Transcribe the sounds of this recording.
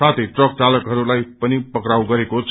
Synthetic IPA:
at̪ʰejʈrʌk̚t͡salʌkɦʌɾulajpʌnipʌkɾaw̃ɡʌɾekot͡sʰ

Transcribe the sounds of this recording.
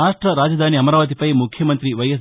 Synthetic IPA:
aːʂʈɾɐɾaːd͡ʒɐd̪ʱaːniɐmɐɾaːʋɐt̪̬ipɐjmukʰjɐmɐnt̪ɾiʋɐjɐs

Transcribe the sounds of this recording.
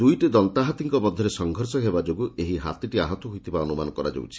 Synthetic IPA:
d̪ujʈid̪ɔnt̪aɦat̪iŋkɔmɔd̪ʱːɔɾesɔŋɡʱɔɾsɔɦebad͡ʒoɡueɦiɦa̰t̪iʈiaɦɔt̪ɔɦujt̪ʰibaɔnumanɔkɔɾad͡ʒo̰w̰t͡ʃʰi̥

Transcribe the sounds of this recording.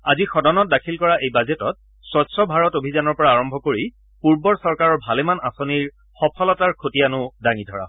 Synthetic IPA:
azixɔdɔnɔt̚dakʰilkɔɹaʔejbazetɔt̚ | swɔtsɔbʱaɹɔtobʱizanɔɹpɔɹaːɹɔmbʱɔkoɹi | puɹbɔɹsɔɹkaɹɔɹbʱalemanasoniɹ | xɔpʰɔlɔtaɹkʰotijanʊdaŋidʱɔɹa̰

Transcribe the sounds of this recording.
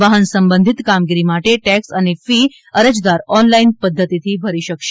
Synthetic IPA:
ʋaɦənsəmbənd̪ʱit̪kamɡiɾimaʈeʈæksanifi | əɾəd͡zd̪aɾɔnlainpəd̪ʱːət̪it̪ʰiːbʱəɾiːɕəkʃe

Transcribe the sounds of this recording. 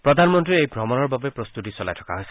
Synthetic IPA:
pɾɔd̪ʱanmɔnt̪ɾiejbʱɾɔmɔnɔɹbabepɾɔst̪utisɔla̰jtʰɔ̥ka̰ɦojsi̥

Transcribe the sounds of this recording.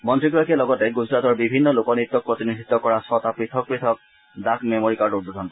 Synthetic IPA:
mɔntɹiɡɔɹakiɛlɔɡɔtɛɡud͡ʑɹatɔɹbibʱinːɔlokɔnit̪ːɔk̚pɹot̪inid̪ʱit̪ːɔkɔɹasɔt̪apɹitʰɔk̚pɹit̪ʰɔk̚ | dakmɛmoɹikaut̚bod̪ʱɔnkɔ

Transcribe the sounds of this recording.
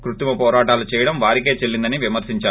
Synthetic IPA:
kɾut̪imɐpɔːɾaːʈaːlut͡ʃɛːjɐɽɐmʋaːɾike̞ːt͡ʃelːind̪ɐniʋimɐɾsiɲt͡ʃaː

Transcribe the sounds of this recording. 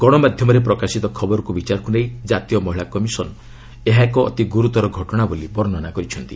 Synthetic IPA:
ɡ̥ɔɽ̃ɔmad̪ʱjɔmɔɾepɾɔkasit̪ɔkʰɔbɔɾɔkubit͡ʃaɾɔkunejd͡ʒat̪ijɔmɔɦiɭakɔmisɔnɔ | eɦaekɔ̰ːt̪iɡuɾut̪ɔɾɔɡʱɔʈɔɽ̃abolibɔɾɔnɔnakɔɾit͡ʃʰɔnt̪i

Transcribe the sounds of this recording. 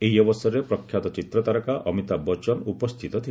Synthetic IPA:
eɦiɔbɔsɔɾepɾɔkʰːjat̪ɔt͡ʃit̪ɾɔt̪aɾɔkaʔɔmit̪abɔt͡ʃɔnupɔst̪ʰit̪ɔt̪ʰi

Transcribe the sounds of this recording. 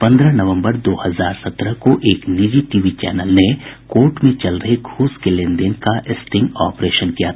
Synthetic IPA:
pɐ̃nd̪ɾənɐʋə̃mbəɾd̪oːhɐzaːɾsɐt̪ɾəkoʔeːknid͡ʒiʈiʋit͡ʃɛ̰ːnəlnekoːɾʈmẽt͡ʃɐlɾɐɦeɡʱuːskelẽnd̪ɪ̃ŋkaʔɪsʈɪ̃ŋɡɔːpɾeːʃənkijat̪ʰ

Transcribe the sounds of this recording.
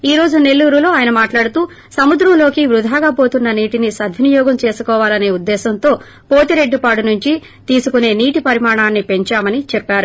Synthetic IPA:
iːɾo̞ːd͡ʒune̞lːuːɾulo̞ːaːjɐnɐmaːʈlaːɽut̪uː | sɐmud̪ɾɐmlo̞ːkiʋɾud̪ʱaːɡaːpo̞ːt̪unːɐniːʈinisɐd̪ʱʋʱinijɔːɡɐmt͡ʃe̞ːsukɔːʋaːlɐne̞ːud̪ːɛːsɐnt̪o̞ː | po̞ːt̪iɾe̞ɖːipaːɽunuɲt͡ʃi | t̪iːsukune̞ːniːʈipɐɾimaːɳaːnːipe̞ɲt͡ʃaːmɐnit͡ʃɛpːaːɾu

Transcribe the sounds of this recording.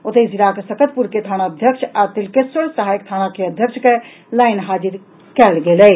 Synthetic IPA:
ot̪əziɾakesəkət̪̚puɾket̪ʰañaəd̪ʱjəkt͡ʃʰat̪ilkesəlsəɦajkt̪ʰañakeəd̪ʱjəkt͡ʃʰke | lajnɦad͡ʒiɾ | kɛlɡelɛ

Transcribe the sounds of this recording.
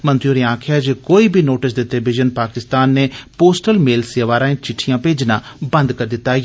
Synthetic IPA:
mənt̪ɾjoːɾiːãːkʰɪjaːd͡ʒeːkoːiːbʱiːnoːʈɪsd̪ɪʈ̪ɪlbɪd͡ʒənpaːkɪst̪aːnːeːpoːsʈəlmeːlseːʋaːɾãːẽːt͡ʃɪʈʰːijãːpeːd͡ʒnã̰ːbənd̪kəɾd̪ɪt̪ːaː

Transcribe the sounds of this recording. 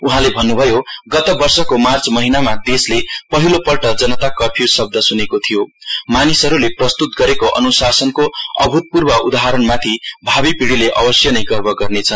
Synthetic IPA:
uɦãlebʱʌnːubʱʌjoɡʌt̪ʌbʌrsʌkomart͡smʌɦinamad̪eslepʌɦilopʌlʈʌd͡zʌnʌt̪akʌpʰiusʌb̚d̪ʱʌsunekot̪ʰijomanisʌɾuleprʌst̪ut̪̚ɡʌɾekoʔʌ̰nusasʌnkoʌ̰bʱut̪̚purbʌʔud̪aɦaɾʌnmat̪ʰibʱabipiɽileʔʌbʌsjʌnʌjɡʌrbʱʌɡʌrnet͡sʰʌn

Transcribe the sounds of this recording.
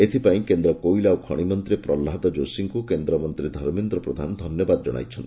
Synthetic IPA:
et̪ʰipaĩkend̪ɾɔkojlawkʰɔ̰ɽ̃imɔnt̪ɾipɾɔlːaɦt̪ɔd͡ʒosiŋkukend̪ɾɔmɔnt̪ɾid̪ʱɔɾmind̪ɾɔpɾod̪ʱanɔd̪ʱɔnjɔbad̪ɔd͡ʒɔɽ̃a̰jt͡ʃʰɔnt̪i

